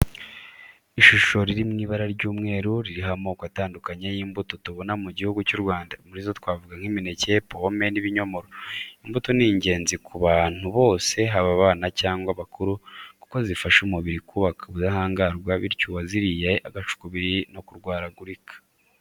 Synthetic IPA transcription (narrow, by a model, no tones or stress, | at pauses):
iʃuʃo̞ɾiɾimŋiːβaɾaɾɟuːmŋe̞ːɾuɾiɾiɦamokwataːndukaɲejiːmbuto̞tuβo̞namuɟihuɡucuɾɡwaːndamuɾizo̞twaːvuɡaŋ̥himine̞ce̞pome̞niβiɲo̞mo̞ɾoimbutoniɲɟe̞ːnzikʰuβaːn̥huβo̞ːse̞ɦaβaβaːnacaːŋɡwaβakuɾuku̥ko̞zifaʃumuβiɾikuβakʰaoβudahaːŋɡaɾɡwaβiɾcuːwaziɾijeʔaɡat͡ʃu̥kuβiɾino̞kuɾɡwaːɾaɡuɾikʰḁ